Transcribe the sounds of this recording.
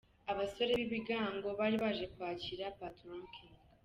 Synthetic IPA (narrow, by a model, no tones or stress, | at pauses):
aβaso̞ɾe̞βiβiɡaːŋɡo̞βaɾiβaʒe̞kwaːciɾapatɾoŋkʰiŋ